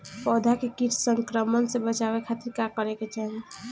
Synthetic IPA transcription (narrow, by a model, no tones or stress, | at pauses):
pɔd̪ʱakekiʈsəŋkɾəmənsebət͡ʃaβekʰat̪iɾkakəɾeket͡ʃaɦle